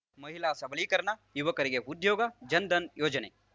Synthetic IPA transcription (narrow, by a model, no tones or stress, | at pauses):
mɐɦilasɐblikɐɾnajuʋɐkɐɾeɡeud̪joːɡad͡ʒɐnd̪ɐnjoːd͡ʒɐnḛː